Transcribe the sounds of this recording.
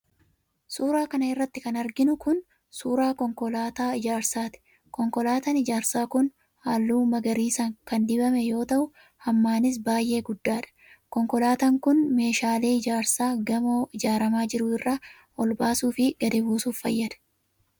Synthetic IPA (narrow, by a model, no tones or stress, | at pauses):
suːɾaːkɐnɐɪrːɐt̪ːɪkɐnɐɾɡɪnʊkʊn | suːɾaːkɔŋkɔlaːt̪aːɪd͡ʒaːɾsaːt̪ɪ̥ | kɔŋkɔlaːt̪ɐnɪd͡ʒaːɾsaːkʊn | haːlːuːmɐɡɐɾiːsɐŋkɐnd̪ɪbɐmɛjo̞ːt̪ɐʔʊ | hɐmːaːnɪs̬baːjʔe̞ːɡʊd̪ːaːᶑɐ̥ | kɔŋkɔlaːt̪ɐŋkʊnme̞ːʃaːleːɪd͡ʒaːɾsaːɡɐmoːʔɪd͡ʒaːɾɐmaːd͡ʒɪɾʊɪrːaː | ʔɔlbaːsuːfɪɡ̥ɐd̪ɪbuːsuːffɐ̰jːɐᶑ̪ɐ̥